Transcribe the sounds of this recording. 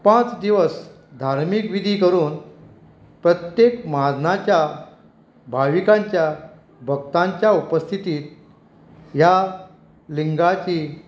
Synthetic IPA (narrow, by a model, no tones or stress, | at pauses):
pãt͡sd̪iʋəs | d̪ʱaɾmikʋid̪ʱiːkəɾuːn | pɾət̪jekmad̪nat͡ɕja | bʱaʋikãɲt͡ɕja | bʱəɡ̚t̪ãɲt͡ɕjaupəst̪ʰit̪iːt̪̚ | ja | liŋɡat͡ɕi